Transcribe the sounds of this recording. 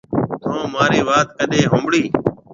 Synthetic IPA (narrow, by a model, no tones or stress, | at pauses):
t̪ʰõːmaːɾiːʋaːt̪̚kəɗeːɦõːmbɽiː